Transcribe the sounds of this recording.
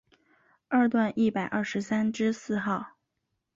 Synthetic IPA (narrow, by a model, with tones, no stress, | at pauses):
ə˥˧t̪wa˥˧nʔi˥˩pa˨˩ɪʔɐ˞˥˩ʂɻ̩˧˥sa˥nʈ͡ʂɻ̩˥sɹ̩˥˧xɑ˥˩ʊ